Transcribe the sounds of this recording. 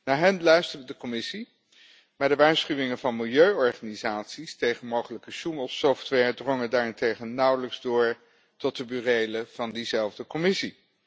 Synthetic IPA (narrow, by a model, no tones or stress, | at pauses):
naːɹɦɛnlœɥstərʋədəkɔmɪsi | maːɹdəʋaːɹsχyʋɪŋənvɑnmɪlˠjøɥɔɹχaːnizaːtsistejχənmowχələkəʃuməlˠsɔftʋɛɹdrɔŋədaːɹɪntejχənːʌwləkzdʊːɹ | tɔt̚dəbyːrejləv̥ɑndizɛlˠvdəkɔmɪsi